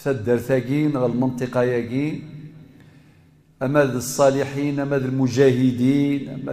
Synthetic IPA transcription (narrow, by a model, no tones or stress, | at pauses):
θæd̪ːəɾθæɡinɣæləlmənt̪ˤəqɑjæɡin | ʔæmːæd̪əsˤːɑlɪħinʔæmːæd̪əlmʊʒæɦəd̪inʔæ̰mːæ̰